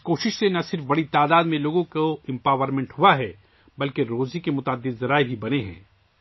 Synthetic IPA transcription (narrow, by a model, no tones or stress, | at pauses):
koːʃɪʃsenɐsɪɾfbɐɽit̪aːd̪aːd̪mẽloːɡõkoɛ̃mpaːʋəɾmɛ̃ɳʈhʊaɦɛ | bɐlkeɾoːzikemʊt̪aːd̪ːɪd̪zɐɾaːebʱibɐneɦɛ̰̃ː